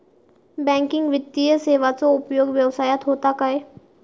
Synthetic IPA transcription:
bɛ̃ːŋkɪ̃ŋɡʋɪt̪ːijəseːʋasoʊpjoːɡʋjəʋsaːjət̪ɦoːt̪akaɦeː

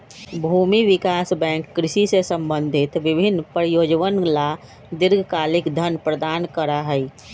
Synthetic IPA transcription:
bʱuːmiʋɪkaːsbɛ̃ːŋkːɾɪʃisesə̃mbə̃nd̪ʱɪt̪ʋɪbʱɪnːpɾəjoːd͡ʒʋənla | d̪ɪɾɡʱkaːlɪkd̪ʱənpɾəd̪aːnkəɾaɦɛi

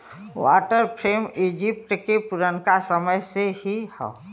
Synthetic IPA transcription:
wa̰ːʈəɾpʰɾeːmid͡ʒɪp̚ʈkepʊɾənkasəməjsehihɛ̰

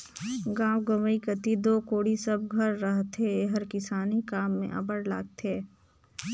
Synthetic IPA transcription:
ɡãːwɡɐʋəikət̪id̪oːkoːɽisɐb̚ɡʱɐɾːɐɦt̪ʰeɦɐɾkɪsaːnikaːmːḛ̃ʔɐ̰bəɽla̰ːɡ̚t̪ʰeː

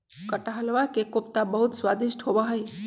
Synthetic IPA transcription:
kəʈaɦəlʋakekop̚t̪abəɦut̪swad̪iʃʈʰɦobəɦəj

